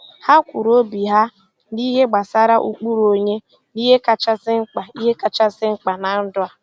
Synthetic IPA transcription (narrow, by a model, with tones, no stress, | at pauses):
ha˦kʷu˨ɾo˦bi˨ɦa˦ | ni˦ɦe˦ɡ͡ba˨sa˦ɾa˦ʔṵ˦k͡pu˦ɾo˨ɲe˦ | ni˦ɦe˦ka˨t͡ʃa˦sɪ˦ŋ͡m̩˦k͡pa˨i˦ɦe˦ka˨t͡ʃa˦sɪ˦ŋ͡m̩˦k͡pa˨na˨n̩˦dʊ˦a˦